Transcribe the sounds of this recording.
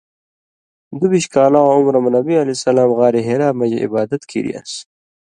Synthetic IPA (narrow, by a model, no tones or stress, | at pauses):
d̪ubiʃkaːlaʊmɾɐmanɐbialisɐlaːmɣaːɾiɦeɾaːmɐd͡ʑḛɪ̰baːd̪at̪kʰḭɾḭja̰s